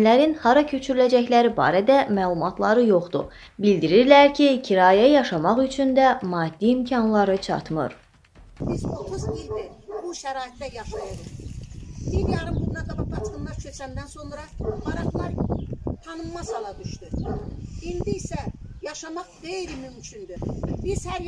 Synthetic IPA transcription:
læɾinhɑɾɑcʰø̞t͡ʃʰyɾylæd͡ʒæçlæɾibɑ̰ːɾæd̪æmæːlˠumɑt̪ʰlˠɑɾɯjo̞χd̪ṵ | bild̪iɾiɾlæɾcʰicʰiɾɑːjæjɑʃɑmɑχyt͡ʃʰynd̪æmɑːd̪̥ːiːmcʰɑnlˠɑɾɯt͡ʃʰɑ̰t̪mɯ̰ɾ | bizot̪ʰuzild̪ibuʃæɾɑːit̪ːæjɑʃɑjɯɾɯχ | biɾjɑɾɯmbuɾunaɡɑbɑpɑt͡ʃ̪kɯnlˠɑɾt͡ʃʰøt͡ʃ̪ænd̪ænso̞nɾɑbɑɾɑχlˠɑɾt̪ʰɑnɯmːɑsɑlˠɑd̪yʃt̪u | ind̪iːsæjɑʃɑmɑχɡejɾimymcʰynd̪yb̥iz̥hæɾ

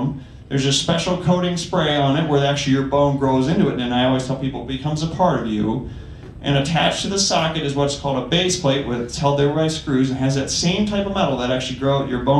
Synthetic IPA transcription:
n | ðə˞zɨspɛʃl̩ˠkʰoʊɾɪ̃ŋspɹeɪə̃nɨt̚wə˞ðæk̚t͡ʃʉl̩ˠijə˞bõʊ̃nɡɹoʊzɪ̃ntʉɨtnɨ̃naɪɔlˠwiz̥tʰɛlˠpipl̩ˠbɨkʰʌ̃mzəpʰɑɹɾʌvjʉ̰ | ʔɨ̰̃ñɨtʰæt͡ʃtʰɨðɨsɑkɨɾɨzwʌskʰɔlˠdəbeɪspʰl̥eɪʔwɪðshɛlˠd̪̚ðə˞baɪskɹʉzɨ̃n̩ɨzðɨtsẽɪ̃mtʰaɪpʌvmɛɾl̩ˠðəɾæk̚t͡ʃʉl̩ˠiɡɹoʊʊt͡ʃə˞bõʊ̃

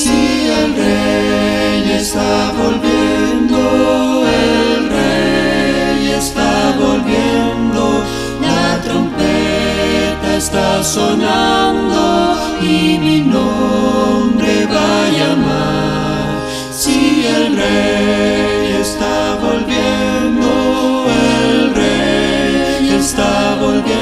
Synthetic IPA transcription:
si | elre | jest̪a | βo̞lβje | nd̪oelre | jest̪aβolβjend̪o | lat̪ɾompe | t̪aest̪asonand̪o | imino | mbɾeβajama | sielre | jest̪aβolβjend̪oelre | est̪aβolβj

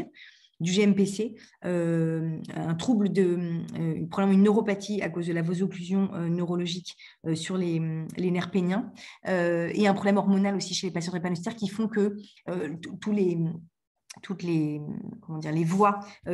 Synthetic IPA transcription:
d̪yʒeɛmpeseø | ɛ̃t̪χubləd̪əøy̰pχɔblmɑ̃ynːøʁɔpat̪ʰiakozd̪əlavozoklyzjɔ̃ʔønøʁɔlɔʒik | øsyʁlemlenɛʁpenjɛ̃øḛɛ̃pχɔblɛmɔʁmɔnalosiʃelepasjɑ̃d̪epanɔst̪ɛʁkʲifɔ̃kəøtt̪ulem | t̪ʰut̪lekɔmɑ̃d̪iʁlevwa

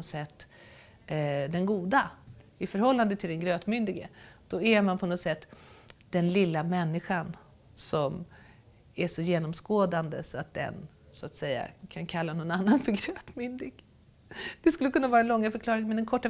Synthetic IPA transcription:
ɔsɛt̪ː | d̪ɛnɡuːd̪aɪfœɾhɔlːand̪ət̪ʰɪld̪ɛnɡɾøːt̪mʏnd̪ɪɡəd̪̥ɔɛɾmanpʰɔnɔt̪sɛt̪ːd̪̥ɛnlɪlːamɛnːɪɧan | sɔm | æʂɔjeːnɔmskoːd̪and̪əsɔat̪̚d̪ɛ̰n | sɔat̪sɛjːa̰kʰankʰalːanɔnanːanfœɾɡɾøːt̪mʏnd̪ɪɡ | d̪̥ɛskɵlːəkɵnːavɑːɾaɛnlɔŋːafœɾkʰlɑːɾɪŋənmɛnd̪ɛnkʰɔʈːa

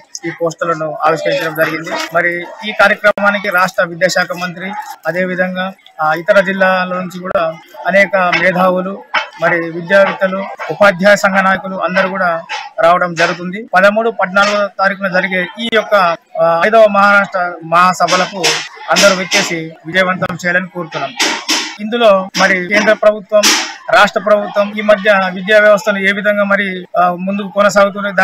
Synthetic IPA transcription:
iːpoːsʈulɐnuaːʋiʃkɐɾiɲt͡ʃɐɽɐmd͡ʒɐɾiɡind̪imɐɾiiːkaːɾjɐkɾɐmaːnikiɾaːʂʈɾɐʋid̪jaːʃaːkʰɐmɐnt̪ɾiɐd̪e̞ːʋid̪ʱɐŋɡaː | it̪ɐɾɐd͡ʒilːaːloːnuɲt͡ʃikuːɽaːɐnɛːkɐmɛːd̪ʱaːwulumɐɾiʋid̪jaːɡit̪ɐluupaːd̪ʱjaːjɐsɐŋɡʱɐnaːjɐkuluʔɐnd̪ɐɾukuːɽaːɾaːʋɐɽɐmd͡ʒɐɾut̪und̪ipɐd̪ɐmuːɽupɐɖnaːluɡut̪aːɾikunɐd͡ʒɐɾiɡeʔiːjɔkːɐːjd̪ɐːʋɐmɐɦaːɾaːʂʈɾɐmɐɦaːsɐbʱɐlɐkuɐnd̪ɐɾuʋet͡ʃ̪ːeːsiʋid͡ʒɐjɐʋɐnt̪ɐnɐmt͡ʃɛːjalɐnikoːɾut̪unːaːmuind̪ulo̞ːmɐɾike̞ːnd̪ɾɐpɾɐbʱut̪ʋɐmɾaːʂʈɾɐpɾɐbʱut̪ʋɐmiːmɐd̪ʱjɐʋid̪jaːʋjɐʋɐst̪ʰɐlue̞ːʋid̪ʱɐŋɡaːmɐɾimund̪ukukɔnɐs̬aːɡut̪̬uned̪a

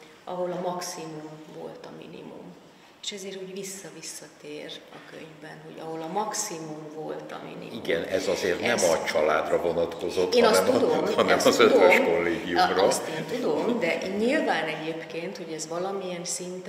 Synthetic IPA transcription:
ɒɦo̞lɒmɒksimumvo̞̰lt̪ɒmḭnḭmṵm | e̥ʃɛzeːɾuːɟʋisːɒvisːɒt̪eːrɒkø̰ɲvbɛnho̞ɟɒ̰ɦo̞lɒmɒksimumvo̞lt̪ɒ̰mḭnḭimɡɛnɛzɒzeːrt̪nnɛmɒt͡ʃɒla̰ːd̪rɒvo̞nɒt̪ko̞zzot̪ːnɒsɛtmud̪omhɒnɛmɒzøt̪vøʃko̞lːeːɡijumroseːnt̪ud̪o̞md̪ɛʔɲilvaːnɛɟeːpkeːnt̪ho̞ɟɛzʋɒlɒmijɛnsint̪

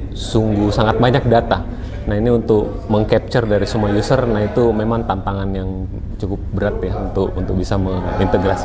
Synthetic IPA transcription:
suŋɡusaŋat̪̚baɲak̚dat̪a | naɦiniunt̪ʊk̚ | məŋkɛp̚t͡ʃərdaɾisumajusərnait̪umemaŋt̪ant̪aŋanjaŋ | t͡ʃukʊp̚bəɾat̪jaunt̪ʊkunt̪ʊk̚bisaməŋint̪əɡɾas

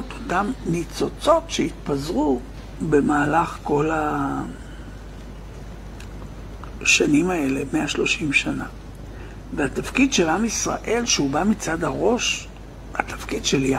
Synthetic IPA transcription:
t̪o̥t̪amnit͡so̞t͡so̞tʃeit̪pazʁu | be̞maːlaχko̞la | ʃanimae̞le̞meaʃlo̞ʃimʃana | vehat̪afkidʃe̞lamisʁa̰ʔe̞lʃeubamit͡sadaʁo̞ʃ | ha̰t̪ḁfkidʃela

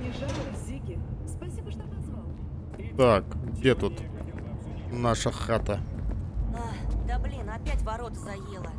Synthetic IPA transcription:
nʲɪʐat̪ɾzʲikʲɪspɐsʲibəʂt̪ovɐzva | t̪akɡdʲet̪ut̪ | naʂəxat̪ə | ad̪ɐblʲinɐpʲætʲvɐɾo̞t̪əzɐjelˠə

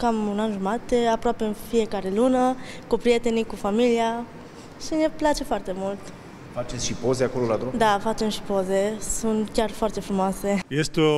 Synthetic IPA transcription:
kamunanʒumat̪eapɾoape̞ɨnfije̞kaɾe̞lunəkupɾije̞t̪e̞nikufamilia | ʃine̞plat͡ʃe̞foart̪e̞mult̪ | fat͡ʃet̪sʃipo̞zeako̞lolad̪ɾumd̪afat͡ʃe̞mʃi̥po̞ze̞sunt̪kʲarfoart̪e̞fɾumoase̞jest̪o

